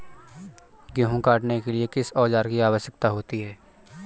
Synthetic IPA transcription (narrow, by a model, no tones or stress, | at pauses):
ɡoːɦũkaːʈnekeliekɪsɔːd͡ʒaːɾkiaːʋəʃjək̚t̪aɦoːt̪iɦɛː